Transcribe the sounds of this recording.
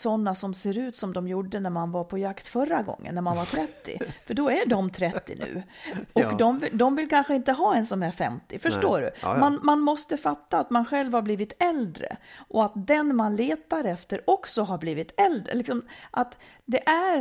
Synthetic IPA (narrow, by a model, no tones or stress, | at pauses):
sɔnːasɔmseːɾʉ̟ːt̪sɔmd̪ɔmjuɖːənæɾmanvaɾpʰɔjakt̪fœɾːaɡɔ̰ŋːə̰nːæɾmanvaɾt̪ʰɾɛt̪ːɪ̰fœɖɔæɖɔmt̪ʰɾɛt̪ːɪ̰nʉ̟̰ːɔkd̪ɔmvɪd̪ɔmvɪlkʰanɧəɪnt̪əɦɑːɛnsɔmæɾfɛ̰mt̪ɪfœʂʈoːɖɵ̰manmanmɔst̪əfat̪ːaːt̪manɧɛlvhaɾbliːvɪt̪ɛld̪ɾə̰ʔɔat̪̚d̪ɛnmanleːt̪aɾɛft̪əɾɔksɔɦaɾbliːvɪt̪ɛld̪ɾə̰lɪksɔmʔat̪ | d̪ɛʔæɾ